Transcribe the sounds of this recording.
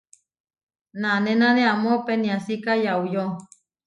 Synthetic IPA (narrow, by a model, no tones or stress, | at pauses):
nanenaneamopeniasikajaujo